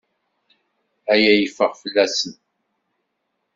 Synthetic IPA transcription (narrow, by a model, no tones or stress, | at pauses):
æjæjəfəʁfəlːæsən